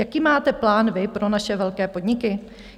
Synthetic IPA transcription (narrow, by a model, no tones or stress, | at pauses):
jakiːmaːt̪ɛplaːnvɪpɾo̞naʃɛvɛlkɛːpo̞dɲɪkɪ